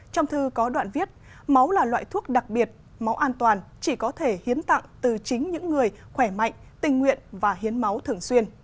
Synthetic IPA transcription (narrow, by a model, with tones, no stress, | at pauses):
t͡ɕɔ˧wŋ͡mt̪ʰɨ˧kɔ˨˦ɗwa̰ː˧˨nvi˦˥ət̚ | ma˨˦wlaː˨˩lwa̰ː˧˨jt̪ʰu˦˥ək̚ɗa˨˩k̚ɓi˨˩ət̚ | ma˨˦wʔaː˧nt̪waː˨˩nt͡ɕi˧˩kɔ˨˦t̪ʰe˧˩hi˨˦ənt̪a̰˧˨ŋt̪ɨ˨˩t͡ɕï˨˦ŋ̟ɲɨ̰˧˥ŋːɨ˨˩əjxwɛ˧˩ma̰˧˨jŋ̟t̪ï˨˩ŋ̟ːwḭ˧˨ənvaː˨˩ɦi˨˦ənma˨˦wt̪ʰɨ˨˩əŋswi˧ən